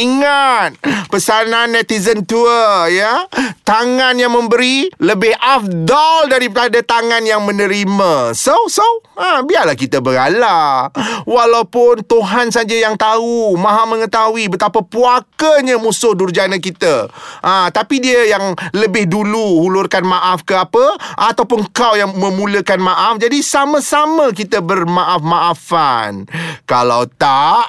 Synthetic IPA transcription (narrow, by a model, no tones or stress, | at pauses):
iŋat̪̚pəsanãnːɛt̪izənt̪uəjət̪aŋanjaŋmə̃mbəɾiləbɪhʔafdɔldaɾipəɾadat̪aŋãnjaŋmə̃nə̃ɾimasosoabiarlahkit̪əbəɡala | walawpʊnt̪uɦansad͡ʒajaŋt̪aumãɦamə̃ŋət̪awibət̪apəpuakəɲəmusʊhdurd͡ʒanəkit̪əʔãt̪apidiəjaŋləbɪhduluhulʊrkanmaʔafkəapəʔat̪awpʊnŋkawjaŋmə̃mũləkanmaʔafd͡ʒadisamə̃samək̬it̪əbərmaʔafmaʔafa̰nkala̰wt̪aʔ